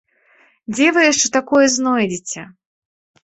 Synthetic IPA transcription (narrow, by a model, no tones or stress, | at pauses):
d͡zʲɛvɨjɛʂt͡ʂɛt̪akɔjɛznɔjd͡zʲit͡sʲɛ